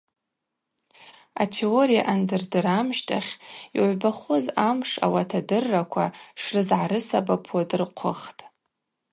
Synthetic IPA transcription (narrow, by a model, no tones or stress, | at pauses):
a̰tʰe̞oɾija̰ʔandɨrdɨɾamʃtʰʼaχʲiʕʷbaχozamʂa̰watʰadɨrːakʷʰaʂrɨzʕaɾɨsabapʰodɨrqʷʰʊχtʼ